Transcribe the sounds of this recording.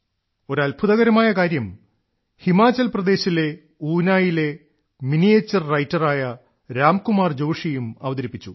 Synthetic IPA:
o̞ɾɐlbʱuðɐɣɐɾɐmaːjɐkaːɾjɐm | himaːt͡ɕːɐlprɐd̪e̞ːɕile̞ | uːnaːjile̞ | minijeːt͡ɕːɐrrɐjtːɐraːjɐ | ɾaːmkumaːrd͡ʑo̞ːʂijumɐ̰ʋɐd̪ɐɾipːit͡ɕːu

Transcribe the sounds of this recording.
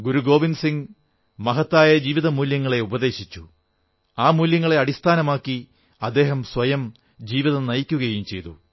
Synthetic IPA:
ɡuɾuɡo̞ːʋinsiŋɡ | mɐɦɐt̪ːaːjɐd͡ʑiːʋiðɐmuːljɐŋːɐɭe̞ubɐðe̞ːɕit͡ɕːu | aːmuːljɐŋːɐɭe̞ɐɽist̪ʰaːnɐmaːkːi | ɐd̪ːe̞ːɦɐmsʋɐjɐm | d͡ʑiːʋiðɐnɐjkʲːuɣɐjumt͡ɕe̞jt̪ṵ

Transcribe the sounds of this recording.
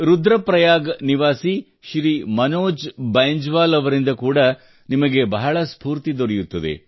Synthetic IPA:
ɾud̪ɾɐpɾɐjaːɡniʋaːsi | ʃɾimɐnoːd͡ʒbɐjɲd͡ʒʋaːlɐʋɐɾind̪ɐkuːɽɐ | nimɐɡebɐɦɐɭɐspuːɾt̪id̪oɾɛjut̪ːɐd̪ḛ

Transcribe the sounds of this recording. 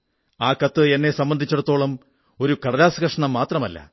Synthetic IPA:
aːkɐt̪ːɨenːe̞sɐmbɐnd̪ʱit͡ɕːɐɽut̪ːo̞ːɭɐm | o̞ɾukɐɽɐlaːsɐɣɐʂɐɳɐmːaːt̪rɐmɐlːɐ̰

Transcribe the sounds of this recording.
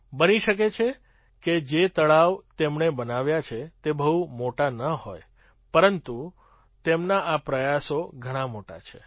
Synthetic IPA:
bəniʃəket͡ʃʰe | ked͡ʒet̪əɭaʋt̪emɳebənaʋjat͡ʃʰet̪ebəɦumoʈanəɦoj | pəɾənt̪u | t̪emnaʔapɾəjasoɡʱəɽ̃ãmoʈa̰t͡ʃʰe

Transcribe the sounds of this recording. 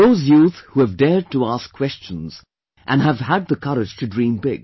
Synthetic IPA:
ðoʊzjuθhuɨvdɛɹd̚təæskʰw̥ɛst͡ʃə̃n̩z̥ | ʔɨ̃nɨvəd̪̚ðəkʰʌɾɪ̥d͡ʒ̥tʰɨdɹĩmbɪɡ̥̚

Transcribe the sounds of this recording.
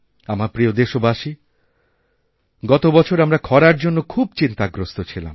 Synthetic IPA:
amaɾpɾiod̪eʃobaʃi | ɡɔt̪obɔt͡ɕʰoɾamɾakʰɔɾaɾd͡ʑonːokʰub̚t͡ɕint̪aɡɾost̪ot͡ɕʰila̰m

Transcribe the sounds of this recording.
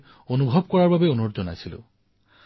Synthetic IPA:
onubʱɔbkɔɹaɹbabɛonɔzɔnajsilʊ̰̃

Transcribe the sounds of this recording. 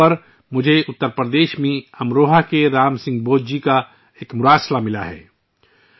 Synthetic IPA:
ɐɾ | mʊd͡ʒʱeʊt̪ːəɾpɾəd̪eːʃmẽɐmɾoːɦakeɾaːmsɪ̃ŋɡ̚boːd͡ʒd͡ʒika | eːkmʊɾaːslamɪla̰ɦɛ̰ː

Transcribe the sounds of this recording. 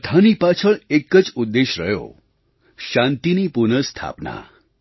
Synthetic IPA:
t̪ʰanipat͡ʃʰəɭekəd͡ʒud̪ːeʃɾə̰jo̰ | ʃãnt̪inipuɾnəst̪ʰa̰pna̰

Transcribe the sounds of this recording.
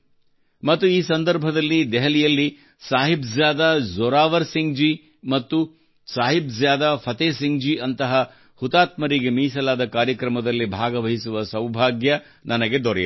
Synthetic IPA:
mɐt̪ːuiːsɐnd̪ɐɾbʱɐd̪ɐlːid̪ɛɦɐlijɐlːi | saːɦibzjaːd̪azɔːɾaːʋɐɾsiŋɡd͡ʒi | mɐt̪ːu | saːɦibzjaːd̪apʰɐt̪eːsiŋɡd͡ʒiʔɐnt̪ɐɦɐ | hut̪aːt̪mɐɾiɡemiːsɐlaːd̪ɐkaːɾjɐkɾɐmɐd̪ɐlːibʱaːɡɐʋɐɦisuʋɐsɐwbʱaːɡjɐ | nʔɐnɐɡe̞d̪ɔɾɛj

